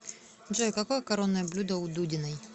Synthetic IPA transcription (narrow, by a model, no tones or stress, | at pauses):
ʐojkɐkojəkɐɾonːəjəblʲud̪əʊd̪udʲɪnɐj